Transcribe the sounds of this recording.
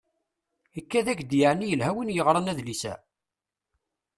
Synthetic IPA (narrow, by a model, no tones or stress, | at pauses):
əkːæðæçd̪jaʕnːijəlɦæwənjəʁɾˤɑnæðlisæ̰